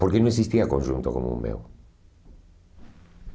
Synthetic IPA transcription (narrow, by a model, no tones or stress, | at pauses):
poɾkenõeksist̪iakõnʲʃunt̪oko̰mṵmmḛw